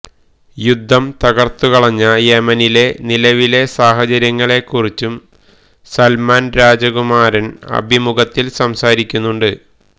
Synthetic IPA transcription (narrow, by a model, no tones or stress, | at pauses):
jud̪ʱːɐmt̪ɐɣɐrt̪ːukɐɭɐɲːɐjemɐnile̞nilɐʋile̞saːɦɐt͡ɕɐɾjɐŋːɐɭe̞kːurit͡ɕːum | sɐlmaːnɾaːd͡ʑɐkumaːɾɐnɐ̰bʱimuɡɐt̪ːilsɐmsaːɾikʲːunːuɳɖɨ